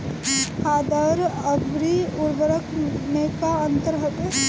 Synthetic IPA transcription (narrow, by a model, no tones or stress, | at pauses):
haːd̪əɾəbɾiʊɾʋəɾəkmeːkaə̃nt̪əɾɦət̪e